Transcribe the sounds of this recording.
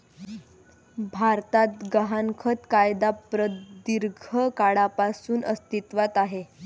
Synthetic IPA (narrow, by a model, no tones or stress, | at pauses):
bʱaɾt̪at̪ɡəɦankʰət̪kajd̪apɾəd̪iɾɡʱəkaɽapasuːnʔə̰st̪it̪ʋat̪aɦe